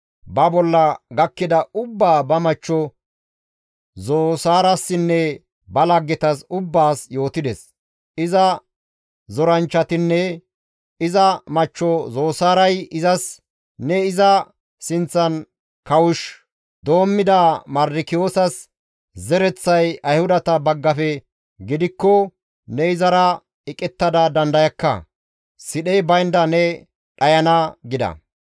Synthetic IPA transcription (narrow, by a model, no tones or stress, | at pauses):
bɐbɔlːɐɡɐkːɪd̪ɐʊbːaːbɐmɐt͡ʃːɔ | zoːsaːɾɐsːɪnːɛ | bɐlɐɡːɛt̪ɐsʊbːaːsjo̞ːt̪ɪd̪ɛs | ɪzɐ | zɔɾɐnt͡ʃːɐt̪ɪnːɛ | ɪzɐmɐt͡ʃːɔzo̞ːsaːɾɐjɪzɐs | nɛɪzɐ | sɪnt͡sːɐn | kɐwʊʃ | d̪o̞ːmːɪd̪ɐmɐɾdɪkɪjo̞ːsɐs | zɛɾɛt͡sːɐjɐjhʊd̪ɐt̪ɐbɐɡːɐfɛ | ɡɪd̪ɪkːɔ | nɛɪzɐɾɐ | ɪkʼɛt̪ːɐd̪ɐd̪ɐnd̪ɐjɐkːɐ̰ | sɪɗɛjbɐjnd̪ɐnɛ | ᶑɐjɐnɐɡɪd̪ɐ̰